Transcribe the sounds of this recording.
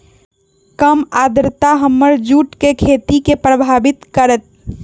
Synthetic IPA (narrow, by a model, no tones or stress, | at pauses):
kəmaːd̪ɾɪt̪aɦəmːəɾd͡ʒuːʈkekʰeːt̪ikepɾəbʱaːbɪt̪kəɾət̪̚